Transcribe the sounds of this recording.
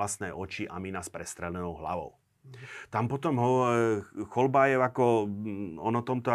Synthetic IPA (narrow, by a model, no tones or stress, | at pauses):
ast̪nɛjɔt͡ʃiʔaminaspɾɛst̪ɾɛlɛnɔʊɦla̰ʋɔ̰ʊ | t̪ampɔt̪ɔmɦɔ | xɔlbajɛakɔ | ɔnɔt̪ɔmt̪ɔ